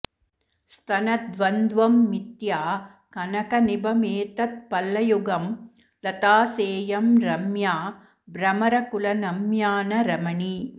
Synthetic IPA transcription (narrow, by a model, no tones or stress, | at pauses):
st̪ʰɐnɐd̪ʋɐnd̪ʋɐmːit̪jaː | kɐnɐkɐnɪbʱɐmeːt̪ɐt̪̚pɐlːɐjuɡɐm | lɐt̪aːseːjɐmɾɐmjaː | bɾɐmɐɾɐkʊlɐnɐmjaːnɐɾɐmɐɳi